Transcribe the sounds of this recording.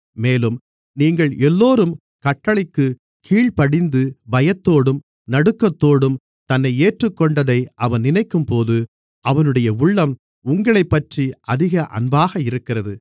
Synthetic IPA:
meːlɯm | niːŋɡɐɭɛlːoːɾɯm | kɐʈːɐɭɪkːɯ | kʰiːɭpɐɽɪnd̪ɯbɐjɐt̪ːoːɽɯm | nɐɽɯkːɐt̪ːoːɽɯm | t̪ɐnːɐɪeːʈrɯkːɔɳɖɐðɐɪʔɐʋɐnnɪnɐɪkːɯmpoːðɯ | ʔɐʋɐnɯɽɐjɐʊɭːɐm | ʊŋɡɐɭɐɪpːɐʈriʔɐðɪɣɐʔɐ̰nbaːɣɐɪɾɯkːɪrɐðɯ

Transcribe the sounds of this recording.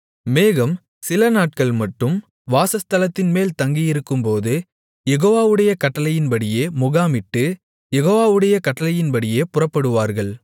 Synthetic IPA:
meːɣɐm | sɪlɐnaːʈ̚kɐɭmɐʈːɯm | ʋaːsɐst̪ɐlɐt̪ːɪnmeːlt̪ɐŋɡijɪɾɯkːɯmpoːðɯ | jɛɣoːʋaːʋɯɽɐjɐkɐʈːɐlɐjɪnbɐɽɪjeːmʊɣaːmɪʈːɯ | jɛɣoːʋaːʋɯɽɐjɐkɐʈːɐlɐjɪnɐɽɪjeːpʊrɐpːɐɽɯʋaːɾɣɐɭ

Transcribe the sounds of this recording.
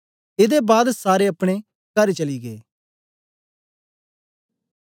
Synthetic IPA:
ɪd̪ebaːd̪saːɾeɐpɽ̃e | kɐɾt͡ʃɐliɡḛː

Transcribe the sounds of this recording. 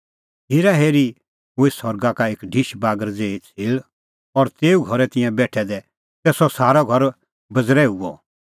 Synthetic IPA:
ɦeːɾaɦeːɾi | ɦʊesɔɾɡakaeːkɖʱiʃbaːɡəɾd͡zeːt͡sʰɪːɭ | ɔɾt̪eːuɡʱɔɾɛt̪ɪ̃jɛ̃bɛːʈʰɛd̪ɛ | t̪ɛsɔsaːɾɔɡʱɔɾ | bɐd͡zɾɛuɔ

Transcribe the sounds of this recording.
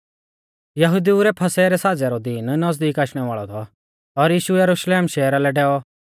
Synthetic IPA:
jɐɦʊd̪iuɾɛpʰɐsɛɾɛsaːd͡zɛɾɔd̪iːnnɐzd̪iːkaːʃɽ̃ɛʋaːɭɔt̪ʰɔ | ɔɾjiːʃuɛjɐɾʊʃleːmʃɛːɾalɛɖɛːɔ

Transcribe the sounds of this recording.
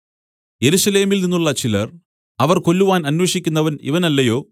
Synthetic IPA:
je̞ɾuʂɐle̞ːmilninːuɭːɐt͡ɕilɐr | ɐʋɐrko̞lːuʋaːnɐnwe̞ːʂikʲːunːɐʋɐnḭʋɐnɐlːɐjo̞ː

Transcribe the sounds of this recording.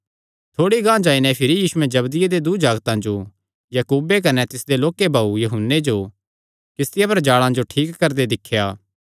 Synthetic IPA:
t̪ʰoːɽiɡãːd͡ʒaːinɛpʰɪɾijiːsuɛ̃d͡ʒɐbd̪ɪjed̪ed̪ud͡ʒaːɡt̪ãd͡ʒo | jɐkuːbek̬ɐnɛt̪ɪsd̪eloːkebʱaːujɐɦʊnːed͡ʒo | kɪst̪ɪjapɐɾd͡ʒaːɭãd͡ʒoʈʰiːkːɐɾd̪ed̪ɪkʰːjaː

